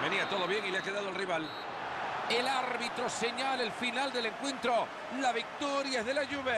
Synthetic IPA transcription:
be̞niat̪o̞ðo̞βje̞ŋileakeðaðolriβal | elaɾβit̪ɾo̞se̞ɲalaelfinald̪e̞le̞ŋkwe̞nt̪ɾo̞ | laβik̚t̪oɾjaðe̞laʝuβe

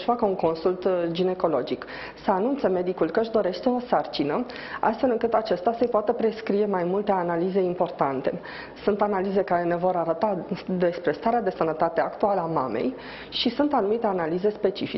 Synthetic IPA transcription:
əʃfakəuŋko̞nsult̪d͡ʒine̞ko̞lo̞d͡ʒik | səanunt̪seme̞d̪ikulkəɨʃd̪o̞ɾe̞ʃt̪e̞o̞sart͡ʃinə | a̰st̪fe̞lɨŋkɨt̪at͡ʃest̪asəjpoat̪əpɾe̞skɾije̞majmult̪e̞analize̞impo̞rt̪ant̪e̞̰ | sunt̪analize̞kaɾe̞ne̞vo̞ɾaɾət̪ad̪e̞spɾe̞st̪aɾead̪e̞sənət̪at̪e̞akt̪ualəama̰me̞̰j | ʃisunt̪anumit̪e̞analize̞spe̞t͡ʃifi

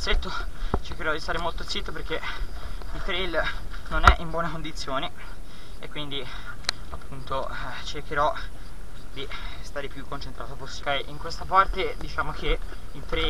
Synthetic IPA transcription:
t̪set̪ːot͡ʃeɾk̟eɾɔd̪ist̪aːɾemolt̪ot̪sit̪ːoperk̟e | ilt̪ɾel | nonɛʔimbwɔːnekond̪it̪sːjoːni | ḛkːwind̪i | apːunt̪o | t͡ʃerk̟eɾɔ | d̪ist̪aːɾepjukːont͡ʃent̪ɾaːt̪oposkajʔiŋkwest̪apart̪ed̪it͡ʃaːmok̟e | ilt̪ɾe

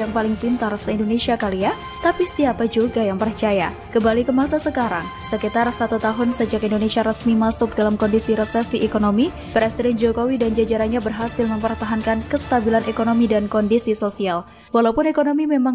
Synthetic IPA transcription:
jaŋpalɪŋpint̪arsəindonesiakalia | t̪apist̪iapad͡ʒuɡajaŋpərt͡ʃaja | kəmbalikəmasasəkaɾaŋ | səkit̪arsat̪ut̪aɦʊnsəd͡ʒakindonesiaɾəsmimasʊk̚dalamkɔndisiɾəsɛsiʔekonomi | pɾesidɛnd͡ʒokowidand͡ʒad͡ʒaɾaɲabərɦasɪlməmpərt̪aɦankankəst̪abilanʔekonomidankɔndisisosial | walaupʊnekonomimemaŋ

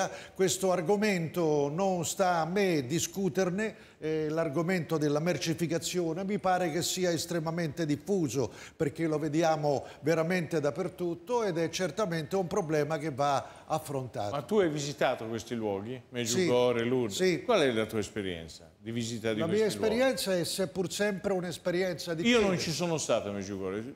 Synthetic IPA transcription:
akwest̪oarɡoment̪ononst̪aːmːed̪iskuːt̪erne | larɡoment̪od̪elːamert͡ʃifikat̪sːjoːnemipaːɾekesːiːaest̪ɾemament̪ed̪ifːuːzoperk̟eloved̪jaːmoveɾament̪ed̪apːert̪ut̪ːoed̪ɛt͡ʃːert̪ament̪eumpɾoblɛːmak̟evːa | afːɾont̪a̰ːtmat̪ːuajvizit̪aːt̪okwest̪ilwɔːɡimɛd͡ʒsuiɡɔɾelusikwalɛlat̪uaespeɾjɛ̰nt̪sad̪ivizit̪ad̪ilamiːaeislwpeɾɾjɛnt̪saɛsɛpːursɛmpɾeunespeɾjɛnt̪sad̪iiːonont͡ʃisoːnost̪aːt̪amed͡ʒuɡɔ̰ːɾe

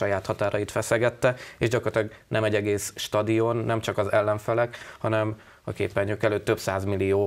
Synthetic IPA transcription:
ɒjaːt̪hɒt̪aːɾɒjit̪fɛsɛɡɛt̪ːɛeːʒɟɒkort̪ɒɡnɛmɛɟːɛɡeːsʃt̪ɒd̪ijonːɛmt͡ʃɒkɒzɛlːɛɱfɛlɛkhɒnɛm | ɒkḛːpːɛɲːøkɛløːt̪ːø̞psaːzmilːijoː

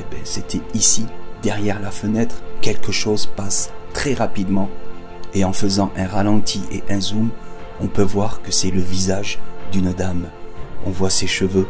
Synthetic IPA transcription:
bɛ̃set̪ʰɛisid̪ɛʁjɛʁlafənɛt̪χkʲɛlkəʃozpast̪χɛʁapid̪mɑ̃ | eɑ̃fəzɑ̃ʔɛ̃ʁalɑ̃t̪ʰiʔeʔɛ̃zumɔ̃pøvwaʁkəsɛləvizaʒd̪ynd̪amɔ̃vwaseʃəvø

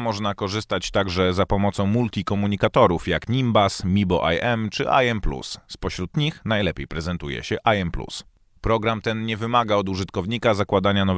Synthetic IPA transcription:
mɔʐnakɔʐɘst̪at͡ɕt̪aɡʐɛzapɔmɔt̪sɔ̃w̃mult̪ʲikɔmuɲikat̪ɔɾufjakɲimbasmʲibɔʔa̰jʔɛmt͡ʂɘ̰ʔa̰jɛmplṵsspɔɕɾut̪ɲixnajlɛpʲjejpɾɛzɛnt̪ujɛ̰ɕɛʔajɛmplṵs | pɾɔɡɾamt̪ɛnɲɛvɘmaɡaɔd̪uʐɘt̪kɔvɲikazakwad̪aɲanɔv

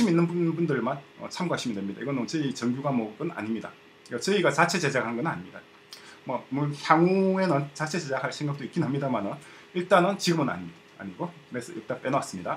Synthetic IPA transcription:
ɕiminːɯnbunbundɯɭmanʌ̰t͡ɕʰamɡwaɕ͈ʰimidwemɲidaiɡʌnnʌt͡ɕeit͡ɕʌŋɡjuɡamwʌɡɯna̰ɲimɲida̰ | iɡʌt͡ɕeiɡat͡ɕat͡ɕʰe̞d͡ʑe̞d͡ʑakɦanŋɡʌnɯna̰ɲimɲida | mwʌmoçjaŋue̞nɯnt͡ɕat͡ɕʰe̞d͡ʑe̞d͡ʑakɦaɭsʰe̞ŋɡak̚t͈oik͈inɦamɲidamanɯn | iɭt͈anɯnt͡ɕiɡɯmɯna̰ɲimɲidaa̰ɲiɡokɯɾesʰʌ̰ḭɭt͈anp͈e̞nas͈ɯmɲida

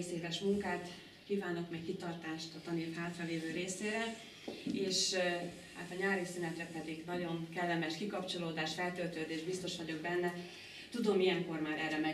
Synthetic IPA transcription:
seːvɛʃmuŋkaːt̪ | kiːvaːno̞kmɛkkit̪ɒrt̪aːʃt̪ɒt̪ɒneːfhaːt̪rɒveːvøːɾeːseːɾɛl | eːʃ | ha̰ːt̪ɒɲaːɾisinɛt̪rɛpɛd̪iɡnɒɟo̞ŋkɛlːɛmɛʃkikɒpt͡ʃo̞loːd̪aːʃfɛlt̪ølt̪øːd̪eːʒbist̪o̞ʃʋɒɟo̞ɡ̚bɛnːɛ | t̪ud̪o̞mijɛŋko̞rmaːɾɛrːɛmɛ

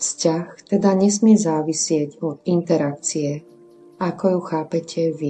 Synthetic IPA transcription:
fscaxt̪ɛd̪aɲɛsmɪɛzaːʋisɪɛɟɔd̪int̪ɛɾak̚t͡siɛ | akɔjuxaːpɛcʰɛʋi

